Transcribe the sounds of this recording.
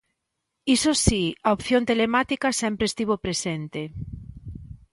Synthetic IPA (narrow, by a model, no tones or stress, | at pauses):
isosiaopθjont̪elemat̪ikasempɾest̪iβ̞opɾesent̪e